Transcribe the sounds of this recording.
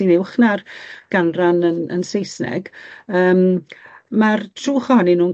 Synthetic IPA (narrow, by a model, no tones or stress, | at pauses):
inɪwχnarɡ̥anranənə̰nsejsnɛ̰ɡəːm | martʰruːχɔnɪnuːn